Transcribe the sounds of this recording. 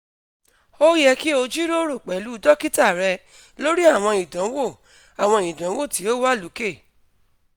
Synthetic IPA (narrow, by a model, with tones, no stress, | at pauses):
o˦jɛ˧ki˦o˧d͡ʒi˦ɾo˦ɾo˦˨k͡pɛ˨˦lu˨˦˧dɔ˦ki˦ta˦˨ɾɛ˧ | lo˦ɾi˦a˦˨w̃ɔ̃˧i˨dɔ̃˨˦wo˦˨ | a˨w̃ɔ̃˧ĩ˨dɔ̃˨˦wo˦˨ti˨˦o˦wa˦˨lu˨˦ke˦˨